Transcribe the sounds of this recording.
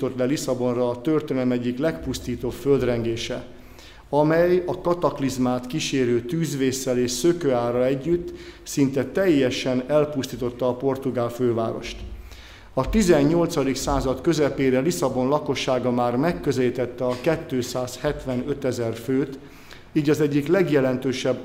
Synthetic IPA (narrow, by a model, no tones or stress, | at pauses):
o̞t̪lɛlisɒbo̞nrɒːt̪ø̞rt̪eːnɛmɛɟːiklɛkpust̪iːt̪oːbføld̪rɛŋɡeːʃɛ | ɒmɛjɒkɒt̪ɒklizmaːt̪kiʃeːɾøːt̪yːzʋeːsːɛleːʃsøkøaːrɒɛɟːyt̪ːsint̪ɛt̪ɛjːɛʃɛnɛlpust̪iːt̪o̞t̪ːɒːpo̞rt̪uɡaːlføːva̰ːɾo̞̰ʃt̪ | ɒt̪izɛɲːo̞lt̪sɒd̪iksaːzɒt̪kø̞zɛpeːɾɛlisɒbo̞nlɒko̞ʃːaːɡɒmaːrmɛkːø̞zɛliːt̪ɛt̪ːɛɒkɛt̪ːøːsaːshɛt̪ʋɛnø̞t̪ɛzɛrføːt̪ | iːɟɒzɛɟːiklɛɡjɛlɛnt̪øːʃɛbː